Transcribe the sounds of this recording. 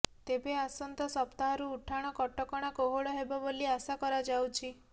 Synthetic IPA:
t̪ebeasɔnt̪ɔsɔpt̪aɦɔɾuːʈʰaɽ̃ɔkɔʈɔkɔɽ̃akoɦoɽɔɦebɔboliasakɔɾad͡ʒawt͡ʃʰi

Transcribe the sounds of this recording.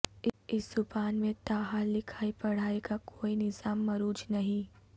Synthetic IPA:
ɪsd̪ʊpaːnmẽt̪aːɦallːɪkʰaːipɐɽ̤aːekakʰoːinɪzaːmːɐɾuːd͡ʒnɐɦĩ

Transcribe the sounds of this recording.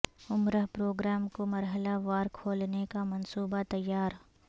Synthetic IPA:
ʊmɾəɦpɾoːɡɾaːmkomɐɾɦəlaʋaːɾkʰoːlnekamɐnsuːbat̪ɐjːaːɾ

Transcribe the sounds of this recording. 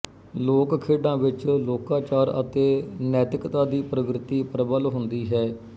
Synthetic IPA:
loːkkʰeːɖãːʋɪt͡ʃloːkaːt͡ʃaːɾə̰t̪eːnɛːt̪ɪkt̪ãːd̪iːpɾəkɾɪt̪iːpɾəbəlɦʊnd̪iːɦɛː

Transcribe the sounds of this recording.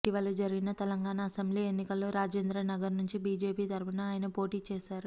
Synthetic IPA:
ʈiʋɐlɐd͡ʒɐɾiɡinɐt̪ɛlɐŋɡaːnaːsɐmbliːe̞nːikɐlːo̞ːɾaːd͡ʒeːnd̪ɾɐnɐɡɐɾnuɲt͡ʃibiːd͡ʒeːpiːt̪ɐɾpɐnɐaːjɐnɐpo̞ːʈiːt͡ʃɛːsaːɾu

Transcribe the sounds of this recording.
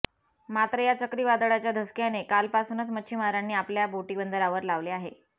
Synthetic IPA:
mat̪ɾəjat͡səkɾiːʋad̪əɭat͡ɕjad̪ʱəskjanekalpasuːnət͡smətːɕʰiːmaɾanːiːapljabʱoʈiːbənd̪əɾaʋəɾlaʋleaɦe

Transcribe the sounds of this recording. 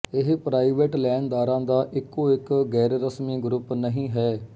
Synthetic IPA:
ɪɦpɾaːɪʋeʈlɛːɳd̪aːɾãːd̪aːʔɪkːoːɪkɡɛːɾɾəsmiːɡɾʊpnəɦĩːɦɛː

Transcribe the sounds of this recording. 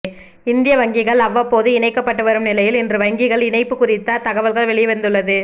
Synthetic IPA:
ɪnd̪ɪjɐʋɐŋɡɪɣɐɭɐʋːɐpːoːðɯɪnɐɪkːɐpːɐʈːɯʋɐɾɯmnɪlɐjɪlɪndrɯʋɐŋɡɪɣɐɭɪnɐɪpːɯkʊrɪt̪ːat̪ɐɣɐʋɐlɣɐɭʋɛɭɪjɛʋɐnd̪ɯɭːɐðɯ

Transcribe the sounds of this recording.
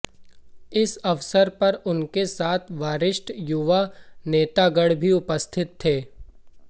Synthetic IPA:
ɪsɐʋsəɾpɐɾʊnkesaːt̪ʰʋaːɾɪʃʈjʊʋaneːt̪aɡəɽbʱiʊpəst̪ʰɪt̪ʰːeː

